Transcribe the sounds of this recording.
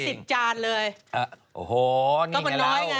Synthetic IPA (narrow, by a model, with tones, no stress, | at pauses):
si˨˩t̪̚t͡ɕaː˧nlɤː˧ja˧˩ | ʔo˨˩hoː˨˩nɔ˥˧˩ma˧nɔː˦˥jŋa˧